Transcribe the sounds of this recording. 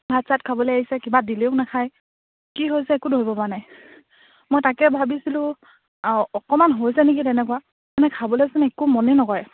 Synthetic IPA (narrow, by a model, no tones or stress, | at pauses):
bʱatsatkʰabɔlojaɦisɛkibadiliʊknɛkʰaj | kiɦojsɛːkudʱoibɔpanaj | mojtakɛbʱabisilʊ̃ | ɔkɔmanɦojsɛnek̬itɛnɛkʊwa | manɛkʰabɔlesunɛkumɔnɛnɔkɔj